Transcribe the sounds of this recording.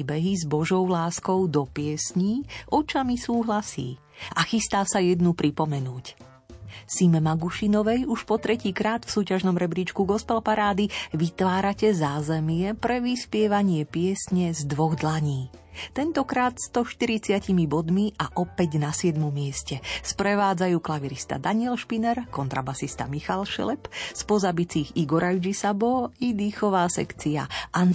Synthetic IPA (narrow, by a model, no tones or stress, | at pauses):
bɛɦizbɔʒɔʊlaːskɔʊd̪ɔpɪɛsɲiːʔɔt͡ʃamisuːɦlasḭː | axist̪aːsajɛd̪nupɾipɔmɛnuːc | simɛmaɡuʃinɔʋɛjuʃpɔt̪ɾɛciːkɾaːt̪fsuːcaʒnɔmɾɛbɾiːt͡ʃkuɡɔspɛlpaɾaːd̪iʋit̪ʋaːɾacɛzaːzɛmɪɛpɾɛʋispɪɛʋaɲɪɛpɪɛsɲɛzd̪ʋɔɣd̪laɲiːt̪ɛnt̪ɔkɾaːt̪st̪ɔʃt̪iɾit͡sɪacimibɔd̪miʔaʔɔpɛɟnasɪɛd̪mɔmːɪɛscɛspɾɛʋaːd͡zajuːklaʋiɾist̪a̰d̪aɲɪɛlʃpinɛɾkɔnt̪ɾabasist̪a̰mixalʃɛ̰lɛpspɔzabit͡siːɣiɡɔɾajd͡ʒisabɔid̪iːxɔʋaːsɛ̰kt͡sia̰ʔan